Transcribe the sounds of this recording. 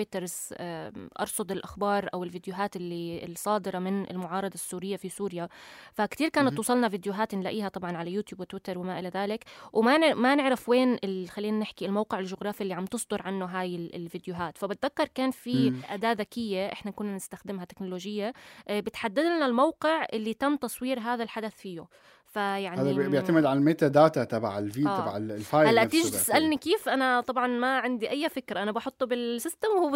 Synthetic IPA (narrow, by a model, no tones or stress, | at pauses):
ɪt̪ɑɾˤz | ʔɑ̰ɾˤsˤʊd̪ˤɪlʔaxbɑːɾˤʔa̰wɪlvid̪jʊɦaːt̪ɪlːilsˤɑːd̪ɪɾˤɑmɪnɪ̰lmʊʕɑːɾˤɑd̪ˤɑsːuːɾɪjːafisuːɾjafakt̪iːɾkaːnat̪ːˤwɑːsˤɑlnɑvɪd̪jʊɦaːt̪nlaʔiːhat̪ˤɑbʕɑnʕalajuːt̪juːbwɪt̪wɪt̪ɑɾˤwɪmaʔɪlaðaːlɪkwmamanɪʕɾafweːnɪlxalːiːnanɪħkiɪlmowqɪʕɪlʒʊɣɾˤɑːfiʔlːiʕamt̪ɨsˤd̪ʊɾʕanːʊɦaːjɪ̰lvid̪jʊɦaːt̪fabɪt̪̚ðakːɑɾˤkaːnfiʔad̪aːʔðakɪjːeʔɪħnakʊnːanɪst̪axd̪ɪmhat̪ɪknʊloːʒɪjːabɪt̪ħad̪ːad̪nalmawqɪʕʔɪlːit̪amːt̪ɑsˤwiːɾɦaːðalħad̪aθfiːjʊ | fajaʕnaːðibjɪʕt̪amɪd̪ʕanmeːt̪ad̪aːt̪at̪ɑba̰ʕɪlviːba̰ʕfaːhalːaʔt̪iːʒt̪ɪ̥sʔalnikeːfʔanat̪ˤɑbʕɑnmaʕɪnd̪iʔajːafɪkɾaʔanabɑħʊt̪ˤːbɪlsɪst̪amwhu